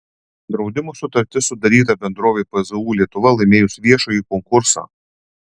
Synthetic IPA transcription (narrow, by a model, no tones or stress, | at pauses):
d̪ɾɒʊd̪ʲɪmoːsʊt̪ɐɾʲt̪ʲɪsʊd̪ɐɾʲiːt̪ɐbʲɛnd̪ɾoːʋʲepɐzɐuːlʲiɛt̪ʊʋɐlˠɐɪmʲeːjʊsʋʲiɛʃoːjiːkɔŋkʊɾsa̰ː